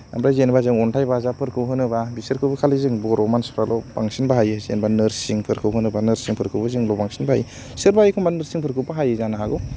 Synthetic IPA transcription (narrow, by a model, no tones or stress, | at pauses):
a̰mɾajzenbazɯŋɔntʰajbazapʰɯɾkʰɯwɦɯnɯbabisɯɾkʰɯbɯkʰalizɯŋbɔɾɔmanspɾalʔɔbaŋsinbaɦajɯzḛnbanɯɾsiŋpʰɯɾkʰɯwɦɯnɯbanɯɾsiŋpʰɯɾkʰɯwbazɯŋlɔpaŋsinbaha̰j | sɯɾbajkʰɔmbanɯɾsiŋpʰɯɾkʰɯpaɦajɯzanaɦaɡɔ